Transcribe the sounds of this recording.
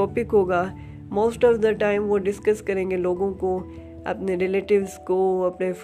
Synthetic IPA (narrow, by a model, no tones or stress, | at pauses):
ɔːpɪkɦoːɡaː | moːsʈɔːʋd̪əʈãːɪ̃mʋoɖɪskɐskɐɾẽːŋɡeloːɡõko | ɐ̰pneɾɪleːʈɪʋzkoɐpnef